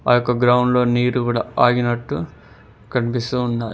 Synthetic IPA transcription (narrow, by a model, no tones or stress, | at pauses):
a̰ːjɔkːɐɡɾɐwɳɖlo̞ːniːɾukuːɽa̰ːaːɡinɐʈːu | kɐɳpisuːnːaːɾ